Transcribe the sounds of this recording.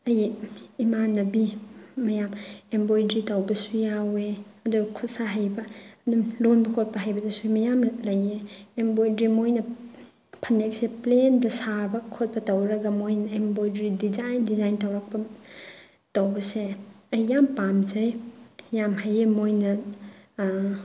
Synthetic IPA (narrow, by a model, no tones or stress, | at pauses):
ɐjːmanɐbimɐjamembojdɾitawbɐsujaweɐdukʰut̚saɦajbɐdulonbɐkʰot̚pɐɦajbɐdɐsumɐjamlɐjeːmbojdɾimojnɐ | pʰɐnek̚seplendɐsabɐkʰot̚pɐtɐwɾɐɡɐmojnɐembojdɾidizajndizajntɐwɾak̚pɐ | tɐwbɐseɐjːampamd͡ʒajjamɦajemojnɐ